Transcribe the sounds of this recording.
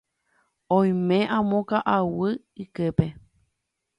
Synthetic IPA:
õj̃mẽʔãmõkaʔawɨ | ikɨpe

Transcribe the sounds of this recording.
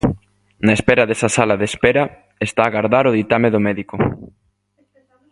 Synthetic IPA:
naespɛɾɐðesɐsalaðespɛɾɐ | est̪aːɣaɾðaɾoð̞it̪ameðomɛðiko

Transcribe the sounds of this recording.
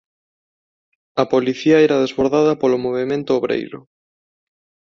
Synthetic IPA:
ɐpoliθiɐɛɾɐðezβoɾðaðɐpolomoβemẽnt̪ʊoβɾḛjɾʊ̰

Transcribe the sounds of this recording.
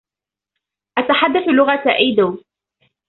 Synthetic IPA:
ʔat̪aħad̪ːaθulʊɣat̪ʔajd̪aw

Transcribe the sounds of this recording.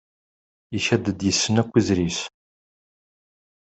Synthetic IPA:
içæd̪əd̪jəsːənækʷːizɾis

